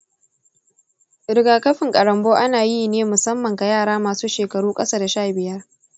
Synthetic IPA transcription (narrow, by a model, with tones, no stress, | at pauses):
ɾɪ˨ɡaː˨kɐ˦ɸɪ˨ŋkʼɐ˨ɽɐ˨mboː˦ʔa˦naː˨ji˦neː˦mʊ˨sɐ˦mːɐ˨ŋka˨jaː˦˨ɽaː˦maː˨suː˦ʃeː˨kɐ˨ɽuː˦kʼɐ˦saː˦da˨ʃaː˦˨bɪ˨jɐ˦r